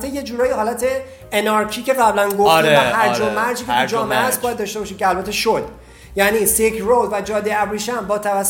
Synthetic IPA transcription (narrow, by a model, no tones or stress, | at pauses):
t̪ːeje̞d͡ʒuːɾɒːjiɦɒːlæt̪ʰe̞ː | nɒɾcʰiːce̞ɣæblænɡofiæhæɾd͡ʒomːæɾd͡ʒiːketud͡ʒɒːmeʔæsbɒːjæd̪ːɒːʃt̪eɒːʃimkʰʲeælbæt̪ʰːe̞ʃod̪ | jæniːsekʰrod̪væd͡ʒɒːd̪eæbriːʃænbɒːt̪ʰævæsː